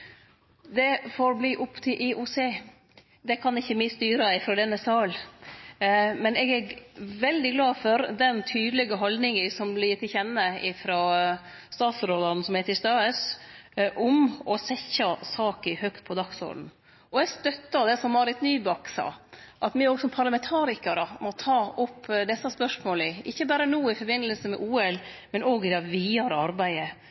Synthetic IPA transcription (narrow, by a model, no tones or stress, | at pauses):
d̪ɛfoːɾbliːʔʊpt̪ʰɪlʔɪʔʊseː | d̪ɛkʰɑnɪçːəmɪst̪yːɾɑɪfɾɔːd̪ɛnːəsɑːl | mɛnɛɡæʋɛld̪ɪɡlɑːfɔɾd̪ɛnt̪ʰyːd̪əlɛɡəɦɔld̪nɪŋəsɔmbliːt̪ɪçɛnːəɪfɾoː | st̪ɑːt̪sɾoːd̪ɑn̩sɔmhɛt̪ɪst̪ɑːəs | ʔʊmɔsɛçɑsɑːkəhœkt̪̚pʰɔd̪ɑksɔ̰ːln̩ | ɔɛɡst̪œt̪ːɑd̪ɛsɔmːɑɾɪt̪nyːbɑksɑ̰ːʔɑt̪mɪɾɔɡsɔmpʰɑɾlɑmɛnt̪ʰɑːɾɪkɑɾəmɔt̪ʰɑːʊpʰːd̪ɛsːɑspœʂmoːlɪɪçːəbæːɾənuːɪfɔɾbɪnːəlsəmɛ̰ʔuːɛlmɛnoːɡɪd̪ɛʋiːɑɾəɑɾbæɪə